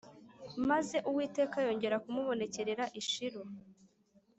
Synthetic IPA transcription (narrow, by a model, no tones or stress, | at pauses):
maze̞ʔuwiːte̞ːkajo̞ːɲɟe̞ɾakumuβo̞ne̞ce̞ɾeɾaʔiʃiɾo